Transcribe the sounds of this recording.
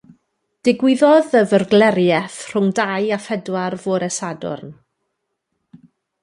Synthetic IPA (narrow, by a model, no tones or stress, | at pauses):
d̥ɪɡwɪðɔðəvərɡlɛɾjɛθr̥ʊŋdajafɛdwarvʊɾɛsadʊ̰rn